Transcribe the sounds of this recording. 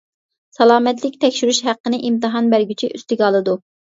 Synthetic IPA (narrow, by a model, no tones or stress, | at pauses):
sɑlˠɑːmɛt̪lɪkʲt̪ʰɛkʲʃyɾyʃhæqːənɨʔimt̪ɨɦɑnbæɾɡʲyt͡ʃʰiʔyst̪yɡʲɑlˠɨd̪u